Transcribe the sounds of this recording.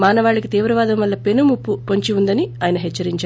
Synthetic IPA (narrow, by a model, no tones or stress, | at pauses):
maːnɐʋaːɭːɐkit̪iːʋɾɐʋaːd̪ɐmʋɐlːɐpenumupːupoɲt͡ʃiund̪ɐniaːjɐnɐɦɛt͡ʃːɐɾiɲt͡ʃa